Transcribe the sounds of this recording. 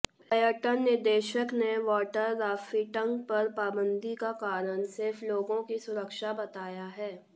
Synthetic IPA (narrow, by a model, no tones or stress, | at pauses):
pəjəʈənːɪɾd̪eːʃəkneʋɔːʈəɾːaːfiʈə̃ŋk̚pɐɾpaːbə̃nd̪ʱikakaːɾənsɪɾfʰloːɡõkisʊɾəkʃabɐt̪aːjaɦɛː